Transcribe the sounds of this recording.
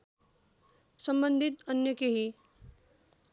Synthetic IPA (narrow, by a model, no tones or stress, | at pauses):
sʌmbʌnd̪ʱit̪ʌnjʌkeɦi